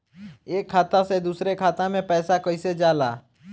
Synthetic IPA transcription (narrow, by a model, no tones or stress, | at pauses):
eːkʰːaːt̪ased̪uːsɾekʰaːt̪ãmẽpɛːsakɐised͡ʒaːla̰ː